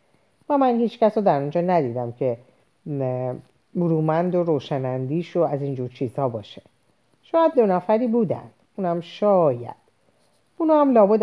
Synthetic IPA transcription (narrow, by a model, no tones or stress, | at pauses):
væmænhiːt͡ʃcæsoːd̪æɾund͡ʒɒːnæd̪iːd̪æmcʰe̞ | buɾuːmænd̪oɾoːʃænænd̪iːʃoæziːnd͡ʒuːɾt͡ʃʰiːzhɒːbɒːʃe | ʃɒːjæd̪̚ːo̞næfæɾiːbuːd̪æ̰nd̪̥uːnhæmʃɒːjæ̰d̪̥ | unɒːhæmlɒːbud̪